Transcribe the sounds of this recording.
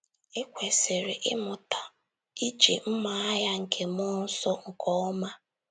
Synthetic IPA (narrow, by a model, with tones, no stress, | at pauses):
ɪ˦kʷe˨sɪ˨ɾɪ˨ʔɪ̰˦mʊ˨ta˨ | i˦d͡ʒe˨m̩˦ma˨a˦ja˦ŋ̩˨kʰe˨mɔ˦n̩˦sɔ˦ŋ̩˨kʰɔ˦ɔ˦ma˦